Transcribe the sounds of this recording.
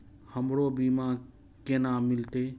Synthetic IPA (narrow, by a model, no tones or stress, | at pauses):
həmɾobima | kenamɪlt̪e